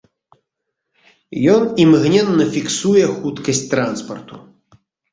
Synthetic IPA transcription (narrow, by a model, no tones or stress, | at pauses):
jɔnimɣnʲɛnːɐfʲiksujɛxut̪kɐsʲt͡sʲt̪ɾanspɐrt̪u